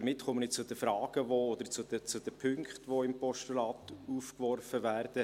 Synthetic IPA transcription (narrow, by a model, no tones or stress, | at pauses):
əɾmɪtːχɔmənɪt͡sʊd̥̪əfɾɑːɡ̥əʋoːɔd̪əɾt͡sʊd̥ət͡sʊd̥̪ɛpʰʏŋkχtʋoɪmpɔʃtulɑːt̪uːfkʋɔrfəvæːɾd̥ə